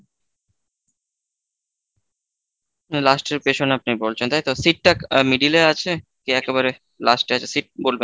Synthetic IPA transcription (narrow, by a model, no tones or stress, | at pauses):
lasʈeɾpeʃonap̚nibolt͡ɕʰent̪ajt̪osiʈ̚ːakmiɖileat͡ɕʰekiɛkeβaɾe | lasʈeat͡ɕʰesiʈ̚bolben